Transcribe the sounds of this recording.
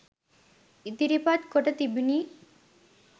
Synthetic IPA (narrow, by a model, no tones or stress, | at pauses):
it̪iɾipat̪koʈɐt̪ibiniː